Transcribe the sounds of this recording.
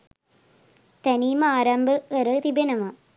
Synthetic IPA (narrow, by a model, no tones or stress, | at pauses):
t̪ɐniːmɐaːɾɐmbʱɐːɾɐt̪ibɐnɐmɐ